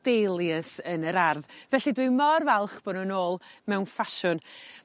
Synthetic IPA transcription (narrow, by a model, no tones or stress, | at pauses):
d̥ejlˠjəsənəɾarðvɛɬidwɪmɔrvɛlˠχb̥ɔnunoːlˠmɛwnfaʃʊn